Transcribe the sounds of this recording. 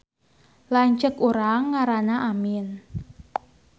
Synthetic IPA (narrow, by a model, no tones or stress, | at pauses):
laɲt͡ʃəkuɾaŋːaɾanaʔamɪn